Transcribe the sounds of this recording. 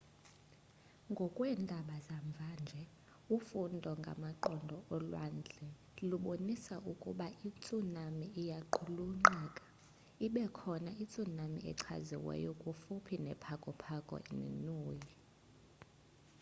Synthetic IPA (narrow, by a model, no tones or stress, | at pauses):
ŋɡʱɔkʼwɛːndʱaɓazaɱb̪vʱand͡ʒʱɛ | ufundʱɔŋɡʱa̰maǃɔndʱɔɔlwa̰nd͡ɮʱɛ | luɓonisaʔukʼṵɓaʔit͡sʼunamiːjaǃʰuluŋ͡ǃɛːkʼḁ | iɓɛkʰɔnait͡sʼunamḭɛ̰ǀʰa̰zḭwɛ̰jɔkʼufupʰinɛpʰakʼɔpʰakʼɔ̰ḭnḭnuːji